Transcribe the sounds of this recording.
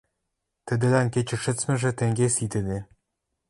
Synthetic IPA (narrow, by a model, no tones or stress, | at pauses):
t̪ɘ̆d̪ɘ̆lænket͡ɕɘ̆ʃɘ̆t͡smɘ̆ʒɘ̆t̪ĕŋɡʲesit̪ɘ̆nĕ